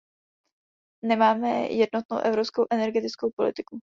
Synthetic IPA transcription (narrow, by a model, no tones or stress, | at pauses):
nɛmaːmɛ̰jɛdno̞t̪̚no̰wʔɛvɾopskowʔɛnɛɾɡɛt̪ɪt͡skowpo̞lɪ̰t̪ɪku